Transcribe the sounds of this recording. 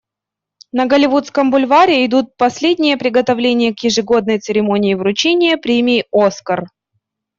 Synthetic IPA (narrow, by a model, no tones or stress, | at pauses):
nəɡəlʲɪvut̪skəmbʊlʲvaɾʲɪɪd̪ut̪̚pɐsʲlʲedʲnʲɪjəpɾʲɪɡət̪ɐvlʲenʲɪjəkjɪʐɨɡo̞d̪̚nəjt̪sɨɾʲɪmo̞nʲɪːvɾʊt͡ɕenʲɪjəpɾʲemʲɪːo̞skər